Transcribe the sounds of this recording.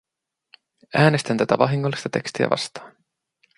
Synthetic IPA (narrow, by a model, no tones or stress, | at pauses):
æːne̞st̪ænt̪æt̪æʋɑɦiŋːolːist̪ɑt̪e̞̰kst̪iæ̰vʔɑ̰st̪ɑ̥ːn